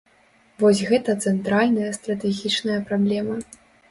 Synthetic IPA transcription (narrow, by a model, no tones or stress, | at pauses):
vɔsʲɣɛt̪ɐt̪sɛnt̪ɾalʲnɐjɐst̪ɾɐt̪ɛɣʲit͡ʂnɐjɐpɾablʲɛmɐ